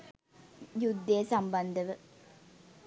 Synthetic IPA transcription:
jud̪ːeːsamband̪əʋə

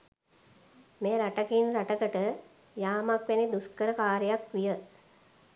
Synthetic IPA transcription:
meɾaʈɐkinɾaʈɐkəʈə | jaːmakʋenid̪uskəɾəkaːɾəjakʋijə

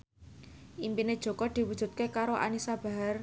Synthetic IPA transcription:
ʔimpined̥ʒ̥o̤kɔd̪̥i̤wud̥ʒ̥ṳt̪̚kekaɾoʔa̰nisab̥a̤ɦar

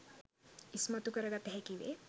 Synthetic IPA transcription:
ismɐt̪ukɐɾɐɡɐt̪ɦɛkiʋḛ

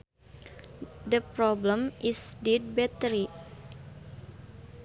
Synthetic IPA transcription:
dəpɾɔbləmʔisdid̚bɛt̪əɾi

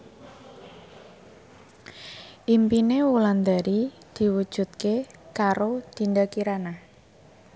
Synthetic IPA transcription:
ʔimpinewuland̪aɾi | d̪̥i̤wud̥ʒ̥ṳt̪̚kekaɾod̪̥i̤nd̪akiɾana

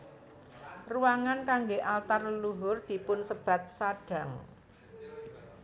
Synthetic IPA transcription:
ruwaŋankaŋɡeʔalt̪arəluɦʊrd̪̥i̤pʊnsəb̥a̤t̪̚saɖ̥ä̤ŋ

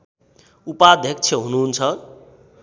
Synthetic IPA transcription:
upaːd̪ʱjʌk̚t͡sʰjʌɦunuɦunt͡sʰʌ

